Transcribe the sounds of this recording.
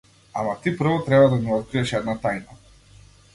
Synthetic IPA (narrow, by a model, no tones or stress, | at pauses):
amat̪ipr̩vɔt̪ɾɛbad̪aniɔt̪̚kɾiɛʃɛd̪nat̪ajna